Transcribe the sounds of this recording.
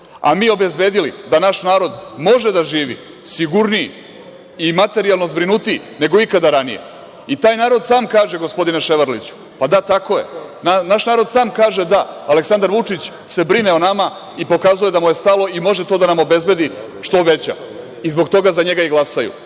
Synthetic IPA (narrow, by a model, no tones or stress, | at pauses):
a̰miːo̞be̞zbe̞ːd̪ilid̪anaʃnaːɾo̞d̪mo̞ʒe̞d̪aʒiːʋḭ | siɡuɾnii | imat̪e̞ɾialˠnozbɾinut̪i | ne̞ɡo̞ikad̪aɾanijḛ | it̪aːjnaːɾo̞d̪saːmkaːʒe̞ɡo̞spo̞d̪inaʃe̞ʋaɾlḭt͡ɕu̥ | pad̪at̪ako̞je̞̰anaʃnaːɾo̞d̪saːmkaːʒed̪aːleksand̪aɾʋut͡ʂit͡ɕ | se̞bɾineonama | ipo̞kazuje̞d̪amuje̞st̪alˠo̞imo̞ʒet̪o̞ːd̪anamo̞be̞zbe̞d̪i | ʃt̪o̞ʋe̞t͡ɕa̰ | izbo̞ɡt̪o̞ɡazaɲe̞ɡaiɡlˠasajṵ